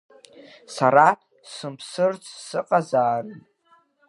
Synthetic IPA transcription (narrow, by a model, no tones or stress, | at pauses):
saɾa | sɨmpʰsɨrt͡sʰsɨqʼazaːrɨ